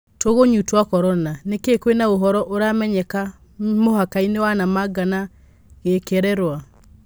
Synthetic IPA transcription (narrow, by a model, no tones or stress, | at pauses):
toɣoɲutwakɔɾɔnanekekwenaoɦɔɾɔʔoɾamɛɲɛka | moɦakainewanamaɡana | ɣekɛɾɛɾwa